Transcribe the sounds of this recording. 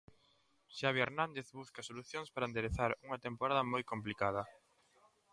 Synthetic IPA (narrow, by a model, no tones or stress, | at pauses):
ʃaβieɾnãnd̪eθβuskɐsoluθjoŋspaɾand̪eɾeθaɾuŋɐt̪empoɾaðɐmojkomplikað̞ɐ